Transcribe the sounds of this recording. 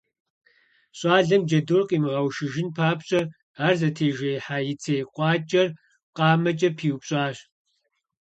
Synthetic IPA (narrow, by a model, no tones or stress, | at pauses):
ɕʼɑːɮɐmd͡ʒɐdorqʼiːmɨʁɐwʃɪʒɪnpʰaːpɕʼɐ | aːrzɐtʰeːʒɐjħaːjɪt͡sʰeːjqʷʼɑːt͡ʃʼɐr | qɑːmɐt͡ʃʼɐpʰiːwpɕʼɑːɕ